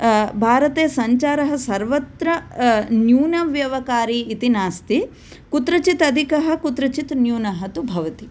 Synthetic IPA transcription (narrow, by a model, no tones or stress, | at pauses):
bʱaːɾɐt̪eːɐsɐɲt͡ʃaːɾɐɦɐ̆sɐɾʋɐt̪ɾɐnjuːnɐʋjɐʋɐkaːɾiːt̪inaːst̪i | kut̪ɾɐt͡ʃit̪ɐd̪ʱikɐɦɐ̆kut̪ɾɐt͡ʃit̪njuːnɐɦɐt̪ubʱɐʋɐt̪i